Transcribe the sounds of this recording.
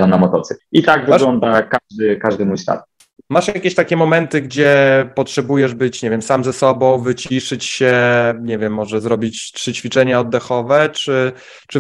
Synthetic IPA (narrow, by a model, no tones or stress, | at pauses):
anamɔt̪ɔt̪sɘit̪aɡvɘaɡlɔnd̪akad̪ɘkaʐd̪ɘmujslʲa̰t̪̚ | maʂjakʲeɕt̪akʲɛmɔmɛnt̪ɘɡd͡ʑɛpɔtʂɛbujɛʐbɘt͡ɕɲɛvʲjɛmsamzɛsɔbɔ̃w̃vɘt͡ɕiʂɘt͡ɕɕɛɲɛvʲjɛmːɔʐɛzɾɔbʲit͡ɕpʂɘt͡ɕfʲit͡ʂɛɲaɔd̪ːɛxɔvɛt͡ʂɘ | t͡ʂɘ